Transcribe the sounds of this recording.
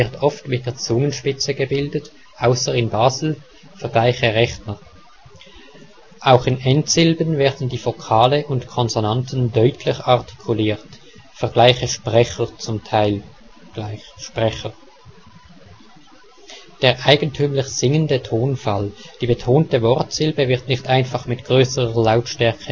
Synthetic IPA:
ɪɐtɔftmɪt̚d̥eːɐt͡sʊŋənʃpɪt͡səɡəbɪldət | ʔaʊsɐɪnbaːzl̩ | fɛɐɡ̥laɪçəʁɛxnə | ʔaʊxɪnʔɛntsɪlbənvɛːɐdn̩diːfokʰaːləʔʊntkʰɔnzonantn̩dœʏtʰlɪçaʁtʰi̥kʰuliːʁt | fɛɐɡlaɪçəʃpʁɛçət͡sʊmtʰaɪl̥ | ɪʃpʁɛxə | d̥eːɐʁʔaɪɡən̩tʰyːmlɪçz̥ɪŋəndətʰoːnfald̥iːbətʰoːntəvɔʁtz̥ɪlbəvɪʁtnɪçtʔaɪnfɑχmɪtɡ̥ʁøːsəʁəlaʊtʃtɛɐkʰə

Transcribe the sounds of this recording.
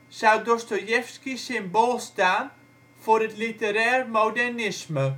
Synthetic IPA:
sawdɔstojɛfskisɪmboːlˠstaːn | fʊrətlitəɾɛːrmowdɛrnɪsmə

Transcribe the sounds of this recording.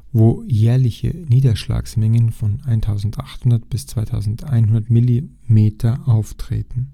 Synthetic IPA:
voːjɛːɐlɪçə̰niːdɐʃla̰ːksmɛŋənfɔnaɪntʰaʊzn̩taχthʊndɐt̚b̥ɪst͡sv̥aɪtʰaʊzn̩ta̰ɪnɦʊndɐtmɪli | meːtʰɐʔaʊftʁ̥ḛːtn̩

